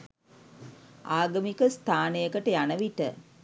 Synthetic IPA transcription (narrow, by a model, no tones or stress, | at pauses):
aːɡəmikəst̪ʰaːnejəkəʈəjanəʋiʈə̰